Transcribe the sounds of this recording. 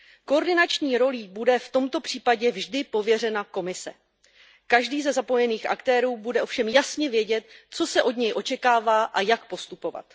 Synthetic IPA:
koːɾdɪnat͡ʃɲiːɾo̞liːbudɛft̪o̞mt̪o̞pr̝̥iːpaɟɛvʒdɪpo̞vjɛr̝ɛnako̞mɪsɛ̰ | kaʒdiːzɛzapo̞jɛniːxʔa̰kt̪ɛːɾuːbudɛʔo̞fʃɛmjasɲɛvjɛɟɛt̪̚t͡so̞sɛʔo̞dɲɛjʔo̞t͡ʃɛkaːvaːʔajakpo̞st̪upo̞va̰t̪

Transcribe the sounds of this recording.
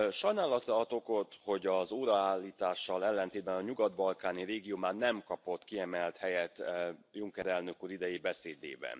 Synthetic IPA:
ʃɒjnaːlɒt̪ɛɒt̪o̞ko̞t̪ho̞ɟɒzoːɾɒaːlːiːt̪aːʃːɒlɛlːɛnt̪eːd̪̚bɛnɒɲuɡɒd̪bɒlkaːniɾeːɡijoːmaːrnɛmkɒpo̞t̪ːkiɛmɛlt̪hɛjɛt̪ːjuŋkɛɾɛlnøkuːɾid̪ɛjibɛseːd̪ḛːbɛ̰n

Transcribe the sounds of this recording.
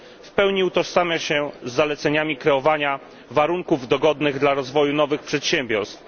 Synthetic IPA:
fpɛwɲiut̪ɔsamʲjaɕɛzːalɛt̪sɛɲamʲikɾɛɔvaɲa | vaɾuŋkuvd̪ɔɡɔd̪nɘɣd̪laɾɔzvɔjunɔvɘxpʂɛt̪ɕɛmʲbʲɔɾst̪f

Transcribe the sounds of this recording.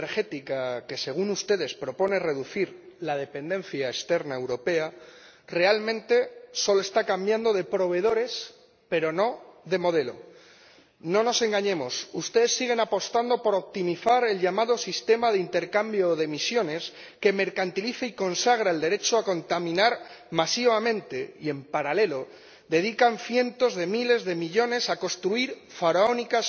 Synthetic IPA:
ɾxe̞t̪ikake̞se̞ɣ̞unust̪e̞ð̞e̞spɾo̞po̞nere̞ðuθiɾlað̞e̞pe̞nd̪ẽ̞nθjaest̪e̞ɾnaewɾo̞pe̞a | re̞almẽ̞nt̪e̞so̞lo̞e̞st̪akambjand̪o̞ð̞e̞pɾo̞β̞e̞ð̞o̞ɾe̞s | pe̞ɾo̞no̞ðe̞mo̞ð̞e̞lo̞̰ | no̞no̞se̞ŋɡaɲẽ̞mo̞sust̪e̞ðe̞sːiɣ̞e̞napo̞st̪and̪o̞po̞ɾo̞p̚t̪imiθaɾe̞lʎamað̞o̞sist̪e̞mað̞eint̪e̞ɾkambjo̞ðe̞misjo̞ne̞s | ke̞me̞ɾkant̪iliθaiko̞nsaɣ̞ɾaeld̪eɾe̞t͡ʃoako̞nt̪amĩnaɾmasiβamẽ̞nt̪e̞ie̞mpaɾale̞lo̞ | ðe̞ðikanθje̞nt̪o̞zðe̞mile̞zðe̞miʎo̞ne̞sako̞st̪ɾuiɾ | faɾaonikas

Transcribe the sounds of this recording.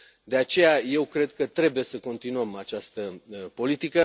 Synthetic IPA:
d̪e̞at͡ʃe̞jaje̞wkɾe̞d̪kət̪ɾe̞buje̞səko̞nt̪inuəmat͡ʃast̪əpo̞lit̪ikə

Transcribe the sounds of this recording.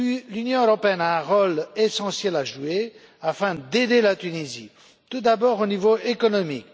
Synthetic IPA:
lynjɔ̃øʁɔpeɛnaɛ̃ʁolesɑ̃sjɛlaʒue | afɛ̃d̪ed̪elat̪ynizḭ | t̪ud̪abɔʁonivoekɔnɔmik̚

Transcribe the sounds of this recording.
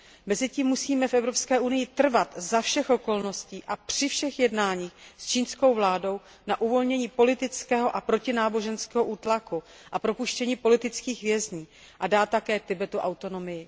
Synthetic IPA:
mɛzɪciːmːusiːmɛfʔɛvɾo̞pskɛːʔunɪjɪt̪r̩vat̪zafʃɛxʔo̞ko̞lno̞sciːʔapr̥ɪfʃɛxjɛdnaːɲiːxst͡ʃiːnsko̞wvlaːdo̞w | naʔuvo̞lɲɛɲiːpo̞lɪt̪ɪt͡skɛːɦo̞ʔapɾo̞cɪnaːbo̞ʒɛnskɛːɦoʔuːt̪laku | ʔapɾo̞puʃcɛɲiːpo̞lɪt̪ɪt͡skiːxvjɛzɲiː | ʔadaːt̪ːakɛːt̪ɪbɛt̪uʔawt̪o̞no̞mɪjɪ

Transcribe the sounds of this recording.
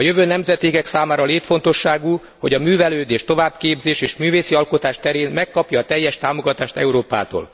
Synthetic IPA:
ɒjøvøːnɛmzɛt̪iːɡɛksaːmaːɾɒleːt̪fo̞nt̪o̞ʃːaːɡu | ho̞̰ɟɒmyːvɛløːd̪eːʃt̪o̞vaːbkeːbzeːʃeːʃmyːveːsiɒlkot̪aːʃt̪ɛɾeːnmɛkːɒpjɒːt̪ɛjːɛʃt̪aːmo̞ɡɒt̪aːʃt̪ɛ̰uɾoːpa̰ːt̪o̰ːl

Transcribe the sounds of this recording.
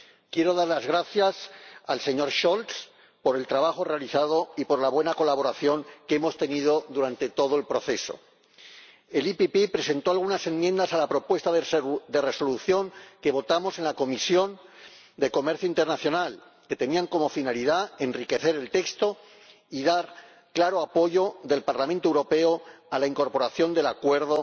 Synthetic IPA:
kje̞ɾo̞ðaɾlazɣ̞ɾaθjasalse̞ɲo̞ɾʃolt̪s | po̞ɾe̞lt̪ɾaβ̞axo̞re̞aliθaðo̞ipo̞ɾlaβ̞we̞nako̞laβ̞o̞ɾaθjo̞ŋkeemo̞st̪e̞niðo̞ðuɾant̪e̞t̪o̞ð̞oe̞lpɾo̞θe̞so̞̰ | e̞lipipepɾe̞se̞nt̪oalɣ̞unase̞nmjẽ̞nd̪asalapɾo̞pwe̞st̪aðed̪ere̞so̞luθjo̞ŋke̞β̞o̞t̪amo̞se̞nlako̞misjo̞n | d̪e̞ko̞me̞ɾθjoint̪e̞ɾnaθjonal | ke̞t̪e̞niaŋko̞mo̞finaliðae̞nrike̞θe̞ɾe̞lt̪e̞kst̪o̞ | iðaɾ | klaɾo̞apo̞ʝo̞ðe̞lpaɾlamẽnt̪oewɾo̞pe̞oalaiŋko̞ɾpo̞ɾaθjo̞nd̪e̞lakwe̞ɾð̞o̞

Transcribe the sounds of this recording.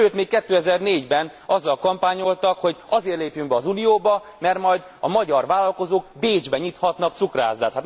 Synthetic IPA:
øːt̪meːkkɛt̪ːøːɛzɛrneːɟbɛn | ɒzːɒlkɒmpaːɲo̞lt̪ɒkho̞ɟɒzeːrleːpjyŋbɛɒzunijoːbɒ | mɛrt̪mɒjd̪ | ɒmɒɟɒrʋaːlɒlko̞zoːɡbeːd͡ʒbɛɲit̪hɒt̪nɒk̚tsukra̰ːzd̪aːt̪hat̪

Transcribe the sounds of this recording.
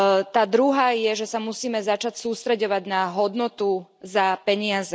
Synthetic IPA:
t̪aːd̪ɾuɦaːjɛʒɛsamusiːmɛzat͡ʃacsuːst̪ɾɛɟɔʋaɟnaɦɔd̪nɔt̪uzapɛɲɪazɛ

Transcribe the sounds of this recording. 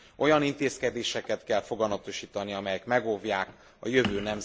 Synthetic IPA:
ʔo̞jɒnint̪eːskɛd̪eːʃɛkɛt̪kɛlfo̞ɡɒmɒt̪o̞ʃiːt̪ɒniɒmɛjɛkmɛɡovjaːk | ɒ̰jø̞vøːnɛmz

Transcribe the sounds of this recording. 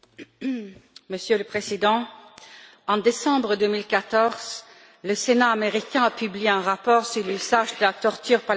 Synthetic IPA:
məsjøləpχezid̪ɑ̃ | ɑ̃d̪esɑ̃bʁəd̪ømilkat̪ɔʁz̥ | ləsenaːmeʁikʲɛ̃apyblieɛ̃ʁapɔʁsyʁlyzaʒd̪əlat̪ɔʁt̪yːʁpa

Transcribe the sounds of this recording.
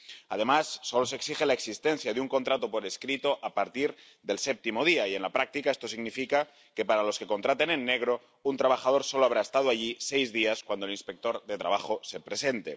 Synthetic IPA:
a̰ð̞e̞masːo̞lo̞seksixelaeksist̪en̟θjaðeuŋko̞nt̪ɾat̪o̞po̞ɾe̞skɾit̪o̞ʔapaɾt̪iɾ | ðe̞lsep̚t̪imo̞ð̞iaie̞nlapɾak̚t̪ikae̞st̪o̞siɣnifika | ke̞paɾalo̞ske̞ko̞nt̪ɾat̪e̞nenːe̞ɣ̞ɾo̞ | unt̪ɾaβaxað̞o̞ɾso̞loaβɾae̞st̪að̞oaʎisejzðiaskwand̪oelinspe̞k̚t̪o̞ɾðe̞t̪ɾa̰β̞axo̞se̞pɾe̞se̞nt̪ḛ

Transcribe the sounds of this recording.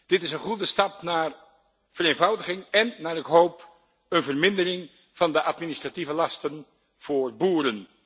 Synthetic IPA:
d̥ɪtɪsənχudəstɑpnaːr | v̥əreːnvɑwdəχɪŋɛnːaːɾɪkɦowp | ənvərmɪndərɪŋ | v̥ɑndəʔɑtminɪstrativəlɑstən | v̥ʊːɹbuːɾən

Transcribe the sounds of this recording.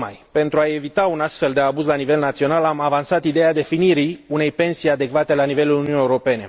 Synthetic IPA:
ma̰jpe̞nt̪ɾuae̞vit̪aunast̪fe̞ld̪e̞abuzlanive̞lnat̪sio̞nalamavansat̪id̪e̞ad̪e̞finiɾiune̞jpe̞nsijad̪e̞kvat̪e̞lanive̞lulununjeuɾo̞pe̞ne̞

